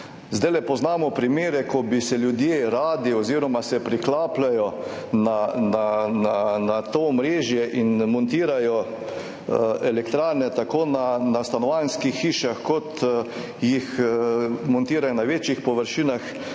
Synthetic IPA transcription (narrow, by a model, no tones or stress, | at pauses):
zd̪ajlɛpɔznaːmɔpɾimeːɾɛkʰɔbisɛljud̪jeːɾaːd̪iɔziːɾɔmasɛpɾiklaːplajɔ | nanananat̪oːmɾeːʒjɛʔinmɔnt̪iːɾajɔ | ɛlɛkt̪ɾaːɾnɛt̪akoːnanast̪anɔʋajnskixːiːʃaxkɔt̪ | jix | mɔnt̪iːɾajɔnaʋeːt͡ʃjixpɔʋəɾʃiːnax